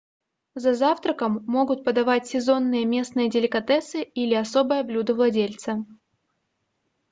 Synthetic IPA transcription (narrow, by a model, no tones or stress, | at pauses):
zɐzaft̪ɾəkəmːo̞ɡʊt̪̚pəd̪ɐvatʲsʲɪzo̞nːɨjəmʲe̞snɨjədʲɪlʲɪkɐt̪ɛsɨilʲɪɐso̞bɨjəblʲud̪əvlˠɐdʲelʲt̪sə